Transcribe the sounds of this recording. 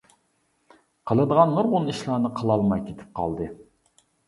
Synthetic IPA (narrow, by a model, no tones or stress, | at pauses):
qʰəlˠɨd̪əʁɑnːuɾʁʊniʃlˠɑːnɨqʰəlˠɑlˠmɑjkʲʰet̪ʰɪ̥p̚qʰɑ̰lˠd̪ɨ